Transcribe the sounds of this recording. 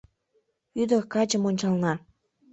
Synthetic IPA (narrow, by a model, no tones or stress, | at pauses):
yd̪ə̆kɑt͡ɕə̆monʲt͡ɕɑlnɑ